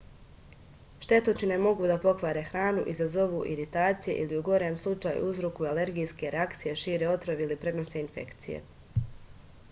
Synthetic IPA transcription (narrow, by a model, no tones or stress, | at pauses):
ʃt̪e̞t̪ot͡ʃinemo̞ɡud̪apo̞kʋaːɾe̞xɾaːnṵʔizazo̞ʋuʔiɾit̪aːt̪sije̞ʔḭliuɡo̞ɾeːmslˠut͡ʃaːjṵuzɾokuiale̞ɾɡijske̞ɾeakt̪sije̞ʃiːɾeo̞t̪ɾoʋilipɾe̞d̪no̞seinfe̞̰kt̪sijḛ